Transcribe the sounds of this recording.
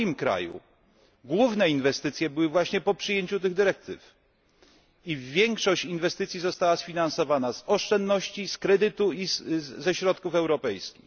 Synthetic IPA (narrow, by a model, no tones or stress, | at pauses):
mkɾa̰jṵ | ɡwuvnɛinvɛst̪ɘt̪sʲjɛbɘwɘvwaɕɲɛpɔpʂɘjeɲt͡ɕut̪̬ɘɣd̪ɘɾɛk̚t̪ɘ̰f | ivʲjɛŋkʂɔɕt͡ɕinvɛst̪ɘt̪sʲizɔst̪awasfʲinansɔvanazɔʂt͡ʂɛnd̪nɔɕt͡ɕiskɾɛd̪ɘt̪uizɛɕɾɔt̪kufɛwɾɔpɛjskʲix